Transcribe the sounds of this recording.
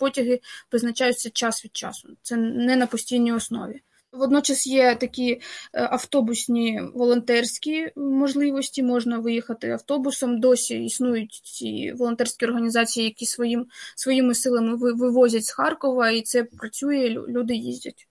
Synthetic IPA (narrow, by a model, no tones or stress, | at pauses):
pɔtʲɐɦɪpɾɪznɐt͡ʃɑjʊtʲsʲɐt͡ʃɑsʋʲid̪̥̚t͡ʃɑ̰sʊ̥t̪sɛnɛnɐpɔsʲtʲijnʲijɔsnɔ̰ʋʲi | ʋɔd̪nɔt͡ʃɐsjɛt̪ɐkʲiʔɐft̪ɔbʊsʲnʲiʋɔlˠɔnt̪ɛrsʲkʲimɔʒlˠɪʋɔsʲtʲimɔʒnɐʋɪjixɐt̪ɪɐwt̪ɔbʊsɔmd̪ɔsʲiisnujʊtʲt͡sʲḭʋɔlˠɔnt̪ɛrʲsʲkʲiɔrɦɐnʲizɑt͡sʲijijɐkʲisʋɔjimsʋɔjimɪsɪlˠɐmɪʋɪʋɪʋɔzʲɐtʲsxɑrkɔʋɐit̪sɛpɾɐt͡sʲujɛ̰lʲud̪ɪjizʲdʲɐ̰tʲ